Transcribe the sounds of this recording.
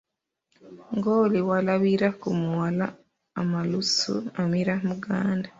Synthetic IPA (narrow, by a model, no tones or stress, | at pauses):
ŋɡoːliwalaβiɾakumuwalaː | malusṵamiɾamuɡaːnda